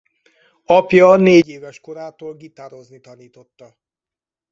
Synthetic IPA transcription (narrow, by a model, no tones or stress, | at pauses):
ɒpjɒneːɟeːvɛʃko̞ɾaːt̪oːlɡit̪aːɾo̞znit̪ɒniːt̪o̞t̪ːɒ